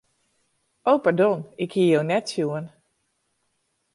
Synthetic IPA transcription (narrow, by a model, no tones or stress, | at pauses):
ʔowpaɹdɔnɪkhiəjownɛtsjuən